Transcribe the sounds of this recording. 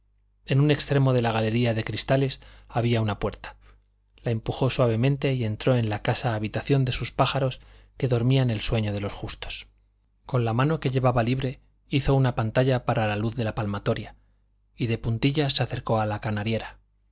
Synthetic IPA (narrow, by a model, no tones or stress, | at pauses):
e̞nune̞kst̪ɾe̞mo̞ðe̞laɣ̞ale̞ɾiaðe̞kɾist̪ale̞saβ̞iaunapwe̞ɾt̪ḁ | lae̞mpuxo̞swaβ̞e̞mẽ̞nt̪e̞ie̞nt̪ɾo̞e̞nlakasaːβ̞it̪aθjo̞nd̪e̞suspaxaɾo̞ske̞ðo̞ɾmiane̞lswe̞ɲo̞ð̞e̞lo̞sxust̪o̞̥s | ko̞nlamãno̞ke̞ʎe̞βaβaliβ̞ɾe̞ | iθo̞unapant̪aʎapaɾalaluθðe̞lapalmat̪o̞ɾja | iðe̞punt̪iʎaseaθe̞ɾko̞alakanaɾje̞ɾa